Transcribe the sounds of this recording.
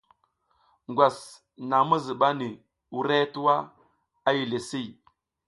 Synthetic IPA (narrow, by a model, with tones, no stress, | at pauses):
ŋɡʷa˨s | na˨mə˦zə˨ɓa˦ni˨ | u˨ɾe˦tu˦wa˦ | a˦ji˨le˨si˦j